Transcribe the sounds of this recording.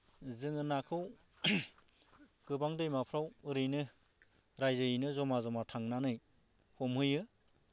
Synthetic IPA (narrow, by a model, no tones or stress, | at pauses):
zɯŋɯnakʰɯw | ɡ̥ɯbaŋdɯjmapʰɾawɯɾɯjnɯ | ɾajzɯinɯzɔmazɔmatʰaŋnanɯj | hɔmɦɯjɯ